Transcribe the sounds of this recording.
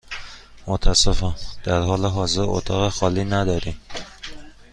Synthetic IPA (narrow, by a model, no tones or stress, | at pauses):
mot̪ʰæsefɒnd̪̥æɾɦɒːleɦɒːze̞ɾo̰t̪ʰɒːɣexɒːliːnæd̪ɒːɾiːm